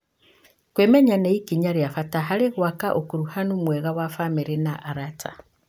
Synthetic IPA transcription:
kwemeɲaneikiɲaɾjafataɦaliɣwakaʔokuɾuhanumweɣawafamiɾinaʔaɾata̰

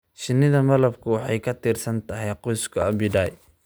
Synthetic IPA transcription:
ʃɪnːɪðɐmɐlɐbkʰʊwɑħɑjkʰɐt̪ʰiːrsɐnt̪ʰɐɦɛjqɔjskʰɐɐbɪdaːj

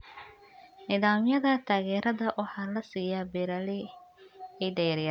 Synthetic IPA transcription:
nɪðaːmjɐðɐt̪ʰaːɣɛːɾɐðɐʔɔːħalɐsiːjabɪɾɐlɪ | ɛjɖɛjaɾja

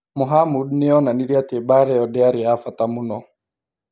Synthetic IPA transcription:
mʊɦamudniɔnaniɾiatebaɾɛɔdɛaɾiafatamunɔ

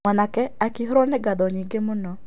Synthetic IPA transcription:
anakɛakɪɦɾonɛɡadɔɲiɡemʊnɔ

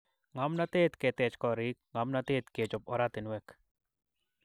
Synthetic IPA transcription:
ŋamnat̪et̪ket̪ɛt͡ʃkɔɾɪkŋamnat̪et̪ket͡ʃɔp̚ɔɾat̪ɪnwɛk

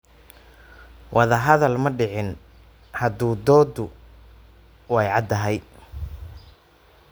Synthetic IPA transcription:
wʔɑðɐɦɐðɐlmɐɖɪʕɪn | hɐd̪uːd̪ɔːd̪ʊ | wɑjʕɑd̪ɐɦɛj

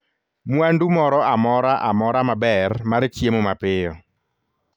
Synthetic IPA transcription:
mwandumɔɾɔamɔɾaʔamɔɾamabɛrmaɾt͡ʃjemomapɪjɔ

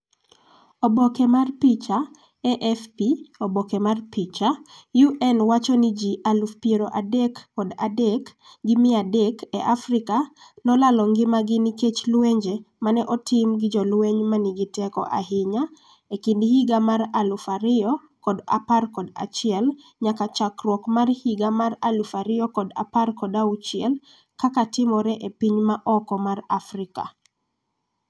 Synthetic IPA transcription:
obɔkɛmarpit͡ʃa | ɛʔɛfpiobɔkɛmarpit͡ʃajuʔɛnwat͡ʃɔnid͡ʒiʔalufpjeɾoʔadɛkːɔdadɛk | ɡɪmɪadɛkɛʔafrɪkanɔlalɔŋɡɪmaɡɪniket͡ʃlweɲd͡ʒemanɛʔɔtɪmɡɪd͡ʒɔlweɲmanɪɡɪtɛkɔ̰ʔa̰ɦɪɲa | ekindhiɡamaɾalufaɾɪɔ | kɔda̰parkɔda̰t͡ʃɪɛl | ɲakat͡ʃakrwɔkmarhiɡamaralufaɾɪɔkɔda̰parkɔdaut͡ʃɪɛl | kakatɪmɔɾɛʔepiɲmaʔɔkɔmarafrɪka̰

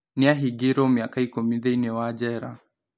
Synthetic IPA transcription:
niaɦiɡiɾɔmiakaikumiðɛinɛwad͡ʒɛɾa̰

